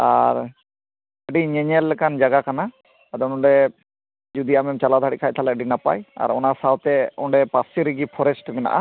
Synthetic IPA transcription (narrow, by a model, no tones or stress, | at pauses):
a̰ɾ | əɖiɲɛɲɛlːɛkand͡ʒaɡakanaː | d̪ɔnɔ̃ɳɖɛ | d͡ʒud̪iamɛmt͡ʃalad̪ʱaɽikʰajt̪ʰalɛəɖinapa̰ja̰ɾɔnasawt̪ɛɔɳɖɛpasiɾiɡipʰɔɾɛsʈmɛna̰ʔa